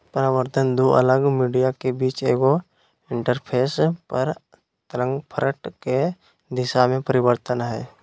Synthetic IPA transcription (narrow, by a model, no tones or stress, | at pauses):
pəɾaʋəɾt̪ʰənd̪uːʔə̰ləɡmiːɖijakebiːt͡ʃeːɡo | ɪ̃ɳʈəɾpʰeːspəɾ | t̪əɾə̃ŋɡpʰəɾəʈke | d̪ɪʃamẽpəɾɪbəɾt̪ənɦɛː